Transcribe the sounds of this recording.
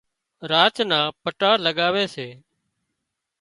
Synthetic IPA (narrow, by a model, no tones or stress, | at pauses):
ɾaːt͡ʃnãːpəʈaːləɠaːʋeːseː